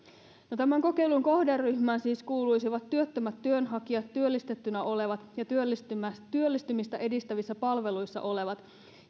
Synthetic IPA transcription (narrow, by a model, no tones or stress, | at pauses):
not̪æmæŋko̞ke̞ijluŋko̞hderːyçmæːnsiːskuːlujsiʋɑt̪ːyøt̪ːømæt̪ːyønɦɑkiɑt̪ːyølːist̪e̞t̪ːynæʔo̞le̞ʋɑt̪jɑt̪yølsyt̪yølːist̪ymist̪æʔe̞dist̪æʋisːæpɑlʋe̞lujsːɑ̰ʔo̞leʋɑt̪